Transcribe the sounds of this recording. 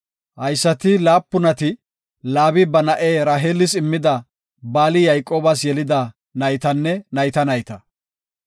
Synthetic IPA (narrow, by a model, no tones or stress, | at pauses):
hɐjsːɐt̪ɪlaːpːʊnɐt̪ɪ | laːbɪbɐnɐʔeːɾaːɦelɪsɪmːɪd̪ɐ | baːlɪjɐjkʼoːbɐsjɛlɪd̪ɐ | nɐjt̪ɐnːɛnɐjt̪ɐnɐjt̪ɐ